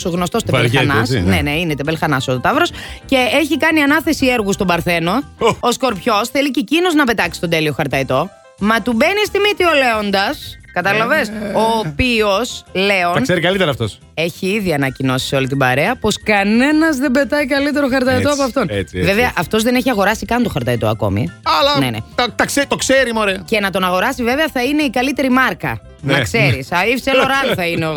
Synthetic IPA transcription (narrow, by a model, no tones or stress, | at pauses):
soɣno̞st̪o̞st̪eexɐnɐsneneinet̪ebelxɐnɐsot̪ot̪ɐvɾo̞sce̞eçikɐniɐnɐθe̞sieɾɣust̪o̞bɐɾθe̞no̞ːsko̞ɾpço̞sθelicecino̞znɐpe̞t̪ɐksi̥st̪o̞d̪e̞lio̞xɐɾt̪ɐit̪o̞ | mɐt̪ube̞nist̪imit̪io̞le̞o̞nd̪ɐskɐt̪ɐlɐvesoːpio̞sle̞o̞ɐnseɾikɐlit̪eɾɐft̪os | e̞çiiðiɐnɐcino̞si̥seo̞lit̪̬ibɐɾe̞ɐpo̞skɐne̞nɐzðembe̞t̪ɐikɐlit̪e̞ɾoxɐɾt̪ɐit̪oɐp̬oɐft̪o̞net͡sveveɐʔɐft̪o̞zðe̞neçiɐɣo̞ɾɐsikɐnt̪oxɐɾt̪ɐit̪o̰ɐ̰ko̞̰mḭɐlɐnenḛt̪ɐt̪ɐkset̪okseɾimoɾece̞nɐt̪o̞nɐɣo̞ɾɐsive̞veɐθɐine̞ikɐlit̪e̞ɾimɐɾkɐ̰ | nɐkse̞ɾisɐifseloɾɐlθɐineo